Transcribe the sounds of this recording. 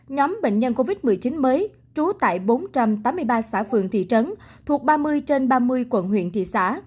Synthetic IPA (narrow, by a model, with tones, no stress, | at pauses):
ɲɔ˨˦mɓḛ˧˨ŋ̟ɲə˧nko˧vi˦˥t̚mɨ˨˩əjt͡ɕi˨˦nməː˨˦j | t͡ɕu˨˦t̪a̰ː˧˨jɓo˨˦nt͡ɕa˧mt̪aː˨˦mːɨ˧əjɓaː˧sa̰ː˧˥˩fɨ˨˩əŋt̪ʰḭ˧˨t͡ɕə˨˦n | t̪ʰu˨˩ək̚ɓaː˧mɨ˧əjt͡ɕe˧nɓaː˧mɨ˧əjkwə̰˧˩nhwḭ˧˨ənt̪ʰḭ˧˨sa̰ː˧˥